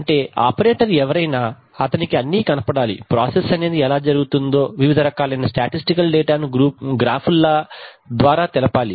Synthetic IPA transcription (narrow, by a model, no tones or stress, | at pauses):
ɐɳʈe̞ːa̰ːpɐɾeːʈɐɾɛʋɐɾɐjnaː | ɐt̪ɐnikiɐnːiːkɐnɐpɐɽaːlḭpɾaːsesɐne̞ːd̪iɛlaːd͡ʒɐɾuɡut̪und̪o̞ːʋiʋid̪ʱɐɾɐkaːlɐjnɐsʈaːʈisʈikɐlɖeːʈaːnuɡɾuːp̚ɡɾaːpʰulːaː | d̪ʋaːɾaːt̪ɛlɐpaːli